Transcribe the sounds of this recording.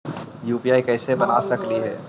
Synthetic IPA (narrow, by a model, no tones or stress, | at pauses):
juːpiaːikɛɪsebəna̰səkliɦɛː